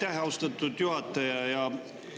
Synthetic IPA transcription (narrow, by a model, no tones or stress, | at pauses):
t̪æɦæost̪ɑt̪ːud̪̥juhɑt̪ːˑɑjɑjɑ